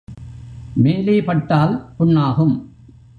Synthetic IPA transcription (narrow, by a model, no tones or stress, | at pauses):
meːleːpɐʈːaːlpʊɳːaːɣɯm